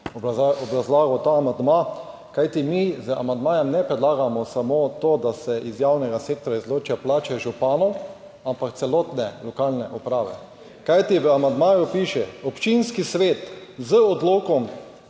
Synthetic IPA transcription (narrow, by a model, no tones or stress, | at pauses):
aɔbɾazlaːɡɔt̪aːmand̪ma | kajt̪imizəa̰mand̪maːjɛmnɛpɾɛd̪laːɡamɔsamoːt̪od̪asɛʔizjawnɛɡasek̚t̪ɾaizloːt͡ʃaplaːt͡ʃɛʒupaːnɔ | ampakt̪sɛloːt̪nɛlɔkalnɛʔɔpɾaːʋɛ̰ | kajt̪iʋəamand̪maːjupiːʃɛɔpt͡ʃinskisʋeːt̪zəɔd̪loːkɔm